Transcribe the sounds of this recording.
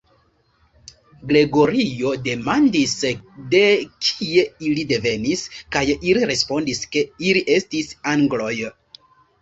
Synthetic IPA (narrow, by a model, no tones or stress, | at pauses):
ɡɾe̞ɡo̞ɾio̞de̞mandisde̞kʰie̞ilide̞ve̞niskajiliɾe̞spo̞ndiske̞iliʔe̞stisaŋɡlo̞j